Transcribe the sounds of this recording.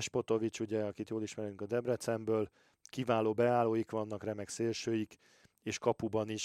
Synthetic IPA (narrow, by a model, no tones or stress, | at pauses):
ʃpo̞t̪o̞vit͡ʃuɟɛɒkit̪joːliʃmɛɾyŋkɒd̪ɛbrɛt̪sɛmbøːl | kivaːloːbɛaːloːjikʋɒnːɒkrɛmɛkseːlʃøːjik | eːʃkɒpubɒniʃ